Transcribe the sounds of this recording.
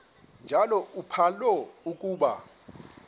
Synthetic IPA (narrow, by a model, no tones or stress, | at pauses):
nd͡ʒʱalɔupʰalɔuk̬ʼuːɓa